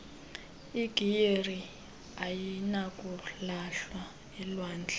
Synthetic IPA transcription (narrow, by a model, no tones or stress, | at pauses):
iɡ̥ʱijeri | ajinakʼulaɬwa | ɛlwaːnd͡ɮʱɛ̥